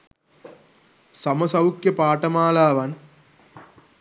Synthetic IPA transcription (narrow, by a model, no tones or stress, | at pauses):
sɐmɐsɐwkjɐpaːʈɐmaːlaːʋɐn